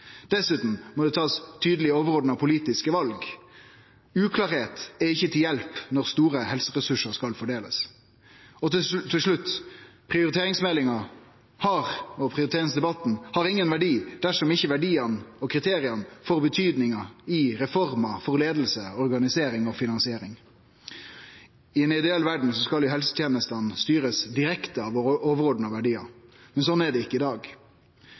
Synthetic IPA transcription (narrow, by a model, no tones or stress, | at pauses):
d̪̥ɛsʉːt̪n̩mɔd̪ɛt̪ʰɑːst̪ʰyːd̪əlɪəɔːʋəɾoːd̪n̩ɑʋpʰʊliːt̪ɪskəʋɑlɡ | ʉːkʰlɑːɾheːt̪ɛɪçːət̪ʰɪljɛlpnɔɾst̪uːɾəhɛlsəʁɛsʉʂəɾskɑlfɔɖeːləs | ɔːɪlʂɭʉt̪ːpʰʁɪʊɾɪt̪ʰeːɾɪŋsmɛlɪŋɑ | hɑɾɔpʰɾɪʊɾɪt̪ʰeːɪnsd̪ɛbɑt̪n̩hɑɾɪŋːənʋæɖiːd̪̥æʂɔmɪçːəʋæɖiːɑnɔkʰɾɪt̪ʰeːɾɪɑnfɔɾbət̪ʰyːd̪nɪŋɑɪɾɛfɔɾmɑfɔɾleːd̪l̩səɔɾɡɑnɪseːɾɪŋɔfɪnɑnsɪeːɾɪŋ | ɪɛnɪd̪ɛeɛlʋæɖɳ̩sɔskɑljʊhɛlsə̥t̪ʰjeːnəst̪ɑnst̪yːɾəsd̪ɪɾɛkt̪əɑʋɔoːʋəɾoːd̪n̩ɑʋæɖiːɑ̰mɛnsɔnæɖɛɪkːəɪd̪ɑːɡ